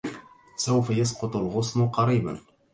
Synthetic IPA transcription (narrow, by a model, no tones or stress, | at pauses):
sawfajɑs̬qʊt̪ˤʊlɣʊsmʊqɑɾiːba̰n